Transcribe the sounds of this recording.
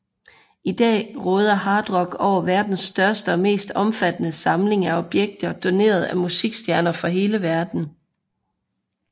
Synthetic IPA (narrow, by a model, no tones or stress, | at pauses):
id̥ɛ̰ːʁɔːð̞ˠɐhɑ̈ːd̥ʁɒ̽ɡ̥ɒʊ̰ɐʋæɐd̥n̩sd̥ɶɐsd̥əɒ̽me̝̰ːsd̥ɒ̽mfæd̥ənəsɑ̈mle̝ŋæɒ̽b̥jeɡ̥̚d̥ɐd̥o̝ne̝̰ːɐð̞̩ˠæmusiɡ̥sd̥jæɐnɐfɒ̽ɦe̝ːləʋæɐd̥n̩